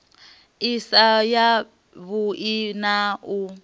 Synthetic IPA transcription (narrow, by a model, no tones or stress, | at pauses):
isaja | βuʔinau